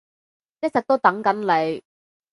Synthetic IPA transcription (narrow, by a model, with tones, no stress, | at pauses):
jk̚t͡sɐ˨k̚t̪o˥wt̪ɐ˨˥ŋkɐ˨˥nle˨˧j